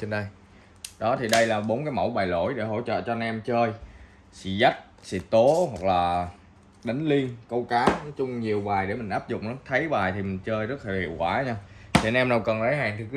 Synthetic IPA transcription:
t͡ɕe˧nɗə˧j | ɗɔ˨˦t̪ʰi˨˩ɗə˧jlaː˨˩ɓo˨˦nkaː˨˦jmə̰˧˩wɓaː˨˩jlo̰˧˩jɗe˧˩ɦo̰˧˨t͡ɕə̰ː˧˨t͡ɕɔ˧nɛ˧mt͡ɕəː˧j | sḭ˧˨za˦˥k̚sḭ˧˩t̪o˨˦ɦwa˨˩k̚laː˨˩ | ɗə˨˦ŋ̟li˧ənkə˧wkaː˨˦ɔ˨˦t͡ɕʊ˧ŋ͡mɲi˨˩əwɓaː˨˩jɗe˧˩mï˨˩ŋ̟ʔaː˦˥p̚zʊ̰˨ŋ͡mn˨˦t̪ʰə˨˦jɓaː˨˩jt̪ʰi˨˩mï˨˩ŋ̟t͡ɕəː˧jzə˦˥t̚aː˨˩hḭ˧˨əwkwaː˧˩ɲaː˧ | t̪ʰi˨˩nɛ˧mna˨˧˩wkɔ˨˩nza˨˦jɦaː˨˩ŋt̪ʰi˨˩k

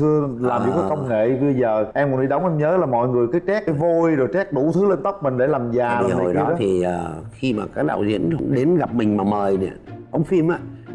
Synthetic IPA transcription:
t̪ʰɨ˧əlaː˨˩mvi˨˩kːa˨˦kə˧ŋ͡mŋḛ˧˨ɓə˧jzəː˨˩ʔɛ˧mkʊ˧˩nɗi˧ɗə˨˦wŋ͡mʔɛ˧mɲəː˨˦laː˨˩mɔ̰˧˨jŋɨ˨˩əjkaː˨˦jt͡ɕɛ˦˥k̚ʔə˨˦jvo˧jzo˨˩t͡ɕɛ˦˥k̚ɗu˧˩t̪ʰɨ˨˦le˧nt̪ə˦˥wk͡p̚mï˨˩ŋ̟ɗe˧˩laː˨˩mzaː˨˩i˨˩ho˨˩jɗɔ˧˦˨t̪ʰi˨˩əː˨˩xi˧maː˨˩kaː˦˥k̚ɗa̰ː˧˨wzḭ˧˥ən˧˦ɗe˨˦nɣa˨˩p̚mï˨˩ŋ̟maː˨˩məː˨˩jɗɛ̰˧˨ʔə̰˧˥wŋ͡mfi˧əmʔaː˧˦

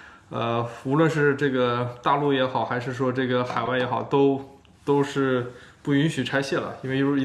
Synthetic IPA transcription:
ə˧u˧˥lwə˥˧nʂɻ̩˥˧ʈ͡ʂɤ˥˩ɡə˩t̪a˥˧lu˥˩jɛ˧˥xɑ˨˩ʊxa˧˥ɪʂɻ̩˥˩ʂwɔ˥ʈ͡ʂɤ˥˩ɡə˩xa˨˩ɪwa˥˩ɪjɛ˧˥xɑ˨˩ʊt̪o˥ʊ | t̪o˥ʊʂɻ̩˥˧pu˥˩y˧˥nɕy˨˩ʈ͡ʂʰa˥ɪɕjɛ˥˩lə̰˩i˥nwe˥˧ɪ˥˧˩

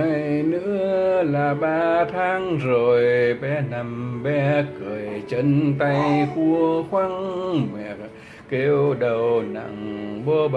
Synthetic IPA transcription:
a˨jnɨ̰˧˥əlaː˨˩ɓaː˧t̪ʰaː˧˥ŋzo˨˩jɓɛ˧na˨˩mɓɛ˧kɨ˨˩əjt͡ɕə˧˦nt̪a˧jxu˧əxwa˧ŋmɛ̰˧˩˨ | ke˧wwɗə˨˩wna̰˧˨ŋɓo˧ɓ

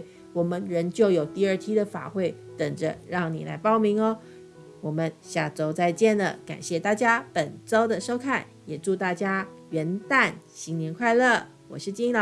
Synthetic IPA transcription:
wɔ˨˩mə˦nɻə˧˥nt͡ɕjo˥˩ʊjo˨˩ʊt̪i˥˧ə˞˥˧t̪ʰi˥d̪ə˨fa̰˨˩xwe˥˩ɪt̪ə˨˩ŋʈ͡ʂə̰˦ɻɑ˥˩ŋni˨˩la̰˧˥ɪpɑ˥˩ʊmi˧˥ŋə˧ | wɔ˨˩mə˦nɕja˥˩ʈ͡ʂo˥ʊt͡sa˥˧ɪt͡ɕjɛ˥˩nd̪ə̰˩ka̰˨˩nɕjɛ˥˧t̪a˥˩t͡ɕja˥pə˨˩nʈ͡ʂo˥ʊd̪ə˨ʂo˥ʊkʰa˥˩n | jɛ˨˩ʈ͡ʂu˥˧t̪a˥˩t͡ɕja˥ɥɛ˧˥nt̪a˥˩nɕi˧˥ŋnjɛ˧˥nkʰwa˥˧ɪlə˥˩ | wɔ̰˨˩ʂɻ̩˥˧t͡ɕi˥ŋə˨˩

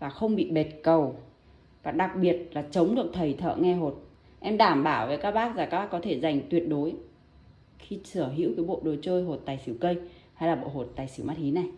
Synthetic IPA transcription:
vaː˨˩xə˧wŋ͡mɓḭ˧˨ɓe˨˩t̚kə˨˩w | vaː˨˩ɗa˨˩k̚ɓi˨˩ət̚laː˨˩t͡ɕə˨˦wŋ͡mɗɨ˨˩ək̚t̪ʰə˨˩jt̪ʰə̰ː˧˨ŋɛ˧ɦo˨˩t̚ | ʔɛ˧mɗaː˧˩mɓaː˧˩wvəː˨˦jkaː˦˥k̚ɓaː˦˥k̚zaː˨˩ka˦˥ɓaː˦˥kɔ˨˦t̪ʰe˧˩za˨˩jŋ̟t̪wi˨˩ət̚ɗo˨˦j | xi˧sɨ˧˩əɦḭ˧˥wkəː˨˦jɓo̰˧˨ɗo˨˩jt͡ɕəː˧jɦo˨˩t̚t̪aː˨˩jsi˧˩ə˩wkə˧j | ha˧jlaː˨˩ɓo̰˧˨ɦo˨˩t̚t̪aː˨˩jsi˧˩wma˦˥t̚hi˨˦na˨˩j

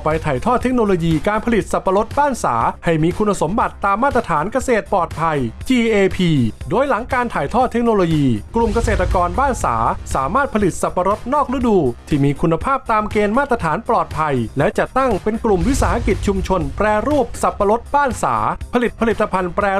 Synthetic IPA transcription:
pa˧jt̪ʰaː˨˩jt̪ʰɔː˥˩t̪ʰːe˦˥k̚noː˧loː˧jiː˧kaː˧npʰa˧li˨˩t̪̚sa˨˩pːa˧lo˦˥t̪̚baː˥˩nsa̰ː˩˦ha˥˩jmiː˧kʰu˧nːa˧so˩˦mba˨˩t̪ːaː˧mːaː˥˩t̪ːɾa˧t̪ʰaː˩˦nka˧seː˨˩t̪̚pɔː˨˩t̪̚pʰa˧jt͡ɕiː˧ʔeː˧pʰiː˧doː˧jla˩˦ŋkaː˧nt̪ʰaː˨˩jt̪ʰɔː˥˩t̪ʰːe˦˥k̚noː˧loː˧jiː˧klu˨˩mka˧seː˨˩t̪ːa˧kɔː˧nbaː˥˩nsa̰ː˩˦saː˩˦maː˥˩t̪̚pʰa˧li˨˩t̪̚sa˨˩pːa˧ɾo˦˥t̪̚nɔː˥˩k̚ɾu˦˥duː˧t̪ʰiː˥˩miː˧kʰu˧nːa˧pʰaː˥˩p̚t̪aː˧mkeː˧nmaː˥˩t̪ɾa˧t̪ʰaː˩˦nplɔː˨˩t̪̚pʰa˧jlɛ˦˥ʔt͡ɕa˨˩t̪ːa˥˩ŋpe˧nklu˨˩mwi˦˥saː˧ha˧ki˨˩t̪̚t͡ɕʰu˧mt͡ɕʰo˧npɾɛː˧ɾuː˥˩p̚sa˨˩pːa˧lo˦˥t̪̚baː˥˩nsa̰ː˩˦pʰa˧li˨˩t̪̚pʰa˧li˨t̪ːa˧pʰa˧npɾɛː˧

